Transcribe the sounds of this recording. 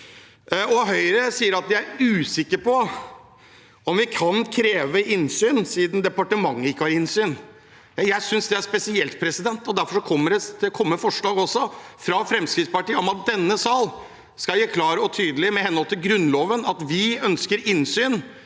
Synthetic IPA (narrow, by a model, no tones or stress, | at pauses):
ɔɦœʏɾəsiːəɾɑt̪d̪ɪæɾʉːsɪkːəɾpɔ | ɔmʋɪkʰɑnkʰɾeːʋəɪnsyːnsɪːd̪n̩d̪ɛpɑʈəmɑŋːəɪkːəhɑɾɪnsyːn | jæɪsʏnsd̪ɛæɾʂpɛsɪɛlt̪̚pʰɾɛsɪd̪ɛnt̪ɔd̪æɾfɔʂɔkʰɔmːəɖɛkʰɔmːəfɔʂɭɑːɡɔsːɔfɾɑfɾɛmskɾɪt̪spɑʈiːəɔmɑt̪̚d̪ɛnːəsɑːl | skɑljeːkʰlɑːɾəɔt̪ʰyːd̪əlɪmɛhɛnhɔlt̪ʰɪlɡɾʉnloːʋənɑt̪ʋɪœnskəɾɪnsyːn